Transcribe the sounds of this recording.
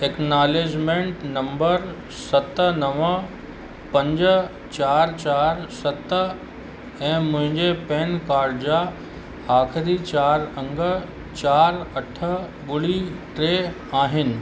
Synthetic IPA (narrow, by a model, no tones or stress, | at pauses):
eknaːleːd͡ʑmẽɳʈnɐ̃mbəɾ | sɐt̪nɐʋə | pɐ̃ɲd͡ʑ | t͡ɕaːɾt͡ɕaːɾsɐt̪ə | ɛ̃ːmʊ̃ɦɪ̃ɲd͡ʑepɛ̃ːnkaːɾɖd͡ʑa | aːxɪɾit͡ɕaːɾə̃ŋɡə | t͡ɕaːɾɐʈʰəɓʊɽiʈɾeː | aːɦɪnɪ̆